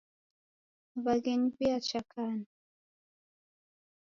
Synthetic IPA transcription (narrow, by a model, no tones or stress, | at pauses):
βaɡɛɲipiat͡ʃakʰana